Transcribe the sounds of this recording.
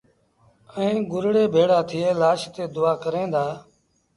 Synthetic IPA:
ɛ̃ːɡʊɾɽeːbʱeːɽaːt̪ʰɪeːlaːʃt̪eːd̪ʊaːkəɾẽːd̪aː

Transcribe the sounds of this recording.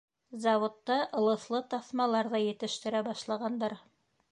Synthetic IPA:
zɑwŏt̪ːɑʔɤ̆lˠɤ̆θlˠɤt̪ɑθmɑlˠɑɾðɑjɘ̆t̪ɘ̆ʃt̪ɘ̆ɾæbɑʃlˠɑʁɑnd̪ɑɾ

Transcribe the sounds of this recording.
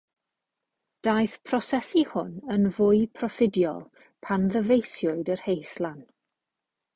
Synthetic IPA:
d̥ajθpʰrɔsɛsihʊ̰nənvʊɨpʰrɔfɪdjɔ̰lˠ | pʰanðəvejsjʊɨdərhejslˠan

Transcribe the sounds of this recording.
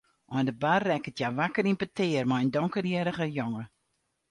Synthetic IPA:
ʔɔndəbarːɛkətjaʋakəɾinpətʰɪːərmajəndɔŋkərjɪɾəχəjoŋə

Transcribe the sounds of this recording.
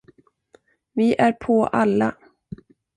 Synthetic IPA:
vɪʔæɾpʰɔʔalːa

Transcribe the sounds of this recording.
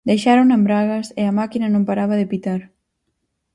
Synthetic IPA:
d̪ejʃaɾoŋnambɾaɣɐseɐmakinɐnõmpaɾaβɐðepit̪aɾ

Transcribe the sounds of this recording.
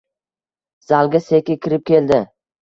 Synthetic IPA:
z̥alɡʲasekʲɪkʲʰɪɾɪp̚kʲe̞ld̪ɪ

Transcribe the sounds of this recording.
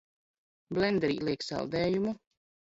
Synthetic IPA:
blʲɛnd̪ɾḭːlˠiɛksɑ̰lˠd̪ɛːjumu

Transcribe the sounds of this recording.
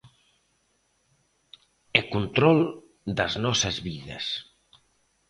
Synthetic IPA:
ekunt̪ɾɔlˠ | d̪əznɔsezβiðḛs

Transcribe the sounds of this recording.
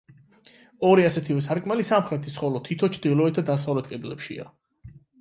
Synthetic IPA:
ɔɾiasɛt̪ʰivɛsʰaɾkʼmalisamχɾɛt̪ʰisχɔlɔt̪ʰit̪ʰɔt͡ʃʰd̪ilˠɔɛt̪̚ʰd̪ad̪as̬avlɛt̪̚qʼɛd̪lɛpʃḭa̰

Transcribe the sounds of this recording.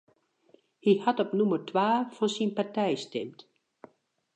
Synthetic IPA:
hihatɔpnumərtʰwaːfɔnsinpartɛjstɛmt

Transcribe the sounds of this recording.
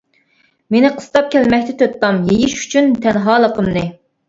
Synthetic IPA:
menɪqʰə̥st̪ɑp̚kʲʰɛlmɛkʲt̪ʰɛt̪ʰøt̪ːɑmjejiʃy̥t͡ʃʰynt̪ʰɛnɦɑːlˠəqʰəmnɨ

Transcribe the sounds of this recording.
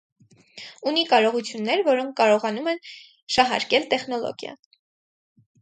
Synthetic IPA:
unikɑɾɔʁut͡sʰjunːɛɾvɔɾɔŋk̚ʰkɑɾɔʁɑnumɛn | ʃɑɦɑ̰ɾkɛlt̪ɛχnɔlɔ̰ɡjɑ̰

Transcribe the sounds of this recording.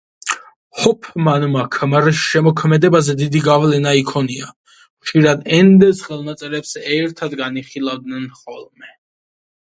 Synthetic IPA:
hɔpʰmanmakʰmɾsʃɛmɔkʰmɛd̪ɛbazɛd̪id̪iɡavlɛnaikʰɔnia | vʃiɾad̪ɛnd̪ɛsχɛlˠnat̪sʼɛɾɛpsɛɾt̪ʰad̪ɡaniχilˠavd̪nɛnχɔlˠmɛ

